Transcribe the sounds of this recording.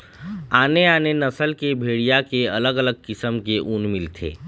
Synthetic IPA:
aːneaːnenɐsəlkebʱeːɽijakeɐləɡələɡ̚kɪsəmkeʔuːnmɪlt̪ʰḛː

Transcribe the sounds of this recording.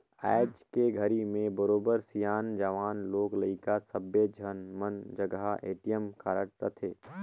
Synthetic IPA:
ɛːd͡ʒkeɡʱəɾimẽbəɾoːbəɾsijaːnd͡ʒaʋaːnloːkləikasəbed͡ʒʱənmənd͡ʒəɡaeːʈijəmkaːɾəʈ̚ɾət̪ʰeː

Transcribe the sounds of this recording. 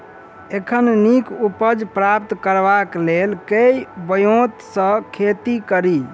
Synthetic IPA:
ekʰənnikupəd͡ʒpɾap̚t̪kəɾbaklelkejbəjot̪sə̃kʰet̪ikəɾi

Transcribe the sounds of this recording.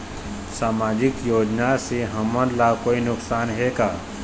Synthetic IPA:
saːmaːd͡ʒɪkjoːd͡ʒnaseɦəmənlakoːinʊksaːnɦeːɡaː

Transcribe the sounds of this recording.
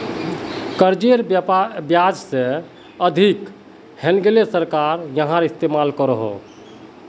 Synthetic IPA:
kəɾd͡ʒeɾbjpabjad͡ʒsẽ | əd̪ʱik | henɡelesəɾkaɾjəɦãɾist̪emalkəɾəɦo̰

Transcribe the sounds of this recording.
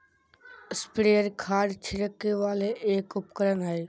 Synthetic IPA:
ɪspɽeːəɾkʰaːɖt͡ʃʰɪɾəkːeʋaːleʔeːkʊpkəɾənɦaːeː

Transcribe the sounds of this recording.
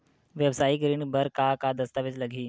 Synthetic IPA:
ʋjəʋsaːikɾiːɳbɐɾkakad̪ɐst̪aʋɪd͡ʒlɐɡʱiː

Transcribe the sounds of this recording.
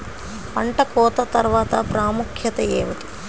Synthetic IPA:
pɐɳʈɐkɔːt̪ɐt̪ɐɾʋaːt̪ɐ̰pɾaːmukʰjɐt̪ɐɛːʋɐt̪i̥

